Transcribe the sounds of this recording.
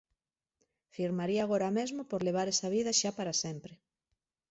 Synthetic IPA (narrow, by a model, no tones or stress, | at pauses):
fiɾmaɾiaːɣ̞oɾamezmopoɾleβ̞aɾɛsaβ̞iðɐʃapaɾasɛmpɾe